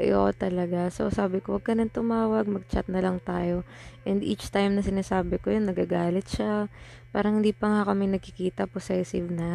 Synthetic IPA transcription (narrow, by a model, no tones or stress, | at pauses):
ʔo̰ʔo̰t̪ɐlɐɡaso̰saːbɪkowɐɡ̚kɐnɐnt̪ʊmaːwɐɡ̚mɐɡ̚t͡ʃa̰t̪̚nɐlɐŋt̪aːjo̞ | ʔɛnd̪ʔḭːt͡ʃt̪ajmnɐsɪnaːsaːbɪkojonːɐɡaːɡaːlɪt̪̚ʃa | paːɾɐŋhɪnd̪iːpɐŋakɐmɛnɐɡ̚kɪkiːt̪ɐposɛsɪvnɐ